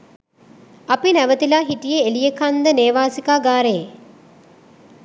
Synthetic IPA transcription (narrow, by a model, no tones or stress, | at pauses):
apinæʋət̪ilaːɦiʈijeelijəkand̪əneːʋaːsikaːɡaːɾeje